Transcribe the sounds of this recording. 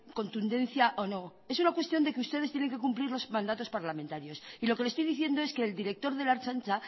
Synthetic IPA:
ko̞nt̪und̪e̞nθjaʔono̞ | e̞sunakwest̪jo̞nd̪e̞keust̪e̞ðst̪je̞ne̞ŋke̞kumpliɾlo̞smãnd̪at̪o̞spaɾlamẽnt̪aɾjo̞silo̞kelest̪ojðiθje̞nd̪o̞e̞ske̞ːld̪iɾe̞k̚t̪o̞ɾðe̞laɾt͡ʃant͡ʃa

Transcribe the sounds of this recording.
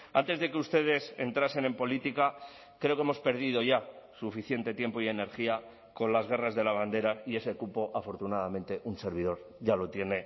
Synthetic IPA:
a̰nt̪ezðe̞keust̪e̞ð̞e̞se̞̰nt̪ɾase̞nẽ̞mpo̞lit̪ika | kɾe̞o̞kemo̞spe̞ɾðið̞o̞ʝasufiθje̞nt̪e̞t̪je̞mpo̞ie̞ne̞ɾxia | ko̞nlazɣe̞razðe̞lazβand̪e̞ɾaie̞se̞kupo̞ʔafo̞ɾt̪unaðamẽ̞nt̪e̞ʔunse̞ɾβ̞iðo̞ɾ | ʝalo̞t̪je̞ne̞

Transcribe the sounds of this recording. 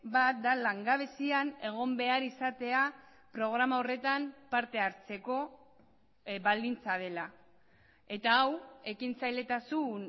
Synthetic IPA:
bat̪̚d̪alaŋɡaβ̞e̞siane̞ɣ̞o̞mbe̞aɾisat̪e̞a | pɾo̞ɣ̞ɾamao̞re̞t̪ampaɾt̪e̞aɾt͡se̞ko̞ | bald̪int͡sað̞e̞la | e̞t̪aːwe̞kint͡sajle̞t̪asun

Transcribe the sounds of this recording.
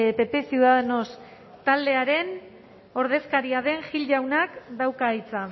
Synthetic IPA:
pe̞pe̞siuðaðeno̞s | t̪ald̪e̞aɾe̞n | o̞ɾð̞e̞skaɾiaðe̞ŋʝiʎʝawnakd̪awkajt͡sa

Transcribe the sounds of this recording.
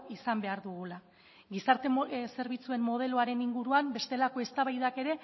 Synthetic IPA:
isambe̞aɾðuɣula | ɣisaɾt̪e̞se̞ɾβ̞it͡sue̞mːo̞ð̞e̞loaɾe̞niŋɡuɾuambe̞st̪e̞lako̞e̞st̪aβajðake̞ɾe̞

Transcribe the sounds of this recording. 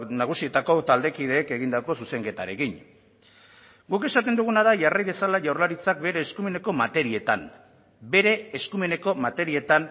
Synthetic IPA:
naɣ̞usie̞t̪ako̞t̪ald̪e̞kið̞e̞ːke̞ɣind̪ako̞suse̞ŋke̞t̪aɾe̞kin | ɡuke̞sat̪e̞nd̪uɣ̞unaðaʝarajðe̞salaʝawrlaɾit͡sak̚be̞ɾe̞ːskume̞ne̞ko̞mat̪e̞ɾie̞t̪am | be̞ɾe̞ːskume̞ne̞ko̞mat̪e̞ɾie̞t̪an

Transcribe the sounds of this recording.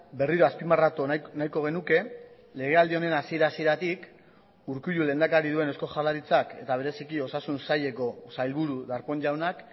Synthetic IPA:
be̞riɾo̞aspimarat̪onajko̞ɣ̞e̞nuke̞ | le̞ɣ̞e̞ald̪io̞ne̞nasie̞ɾasie̞ɾat̪ik | uɾkuʎule̞nd̪akaɾiðue̞ne̞sko̞xalaɾit͡sake̞t̪aβ̞e̞ɾe̞sikio̞sasunsaʎe̞ko̞sajlβuɾuðaɾpo̞ɲd͡ʒawnak

